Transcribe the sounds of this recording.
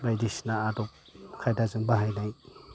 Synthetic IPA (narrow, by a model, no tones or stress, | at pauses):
bajdisnaːdɔp̚kʰajdazɯŋbaɦajnaj